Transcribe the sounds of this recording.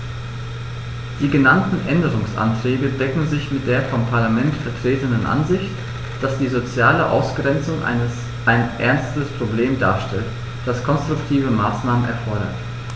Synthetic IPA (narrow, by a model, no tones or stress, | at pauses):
d̥iːɡənantn̩ʔɛndəʁʊŋsʔa̰ntʁ̥ɛːɡədɛkŋ̩zɪçmɪt̚d̥eːɐfɔmpʰaɐlamɛntfɛɐtʁ̥eːtənənʔa̰nzɪçt | d̥asd̥iːzot͡sjaːləʔa̰ʊsɡ̥ʁɛnt͡sʊŋʔ | ʔaɪnʔɛɐnstəspʁ̥obleːmda̰ːɐʃtɛlt | d̥askʰɔnstʁ̥ʊktʰiːvəmaːsnaːmənʔɛ̰ɐfɔɐɾɐ̰t